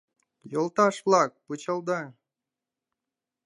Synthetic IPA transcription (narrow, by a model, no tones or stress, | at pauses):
jolˠt̪ɑʃvlˠɑk̚pɯt͡ɕɑlˠd̪ɑ